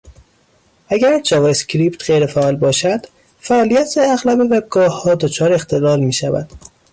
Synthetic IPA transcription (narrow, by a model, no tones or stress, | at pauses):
ʔæɡæɾd͡ʒɒːvɒescʰɾiːpt̪ʰɢejɾefæʔɒːlbɒːʃæd̪̥ | fæɒːlijæt̪ʰeæɣlɒːbeveb̚ɡɒːhɒːd̪ot͡ʃʰɒːɾeext̪ʰe̞lɒːlmiːʃævæ̰d̪̥